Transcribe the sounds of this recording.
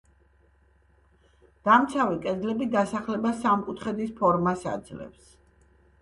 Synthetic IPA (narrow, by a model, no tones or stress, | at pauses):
d̪̥amt̪sʰavɛkʼɛd̪zlɛbid̪asaχlɛbasamkʼut̪ʰχɛd̪ispʰɔɾmasa̰d̪zlɛ̰ps